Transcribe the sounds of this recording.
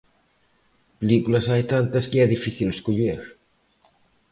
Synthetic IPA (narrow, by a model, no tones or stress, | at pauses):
pelikulɐsajt̪ant̪ɐskɪɛðifiθileskoʎeɾ